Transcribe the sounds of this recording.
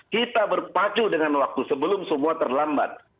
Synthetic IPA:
kit̪abərpat͡ʃudəŋanwak̚t̪usəbəlʊmsəmuat̪ərlamba̰t̪̚

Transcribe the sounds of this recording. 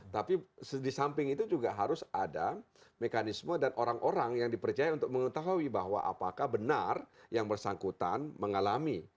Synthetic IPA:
t̪apisdisampɪŋit̪ud͡ʒuɡaɦaɾʊsada | mekanismədanʔoɾaŋʔoɾaŋjaŋdipərt͡ʃajaunt̪ʊk̚məŋət̪aɦuwibaɦwa̰ʔa̰pakahbənarjaŋbərsaŋkut̪anməŋalami

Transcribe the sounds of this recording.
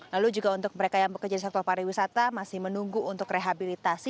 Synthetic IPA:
lalud͡ʒuɡaunt̪ʊk̚məɾekajaŋbəkərd͡ʒadisɛk̚t̪ɔrpaɾiwisat̪amasɪhmənuŋɡuːnt̪ʊkreɦabilit̪asi

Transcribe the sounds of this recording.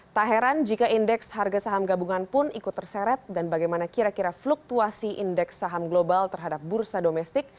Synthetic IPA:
t̪aɦɛɾand͡ʒikaindɛksharɡasaɦamɡabuŋanpʊnikʊt̪ːərsɛɾɛt̪̚danbaɡajmanakiɾakiɾafluk̚t̪uasiʔindɛksːaɦamɡlobalt̪ərɦadap̚bursadomɛst̪ɪk̚

